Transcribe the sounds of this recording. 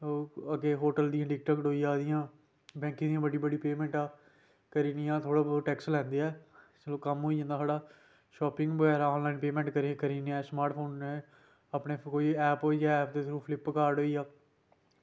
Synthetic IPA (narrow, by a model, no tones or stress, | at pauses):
oːəɡeːɦoːʈəld̪ijãːɖɪk̚ʈəːkʈoːijaːd̪ɪjãː | bɛ̃ːŋkĩd̪ijãːbəɖiːbəɽiːpeːmɛ̃ːɳʈaː | kəɾiːniːãːt̪ʰoːɽaːbʈɛːkslɛ̃ːnd̪eːɛːsəlõːkəmɦoːiːd͡ʒãːnd̪aːsaːɽaː | ʃɔːpɪ̃ŋɡbəɡɛːɾaːɔ̃ːnlaːinpeːmɛ̃ːɳʈkəɾĩːkəɾiːneɛːsmaːɾʈpʰoːnːe | apneːkoːiːɛːpɦoːijaɛːp̚d̪eːsʰɾũːpʰlɪpːkaːɾɖoːiːjaː